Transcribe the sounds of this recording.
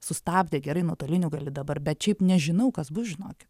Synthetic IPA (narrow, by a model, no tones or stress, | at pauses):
sʊst̪ɑːbʲdʲeːɡʲɛɾɐɪnuːt̪oːlʲɪnʲuɡɐlʲɪd̪ɐbɐrbʲɛt̪ʃʲɛɪpnʲɛʒʲɪnɐʊkɐsbʊsʒʲɪnoːkʲɪ̥